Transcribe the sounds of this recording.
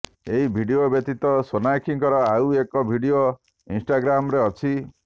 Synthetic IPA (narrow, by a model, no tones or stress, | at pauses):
eɦibʱiɖiobjɔt̪it̪ɔsonakʰiŋkɔɾɔawekɔbʱiɽio | insʈaɡɾamɔɾeɔt͡ʃʰi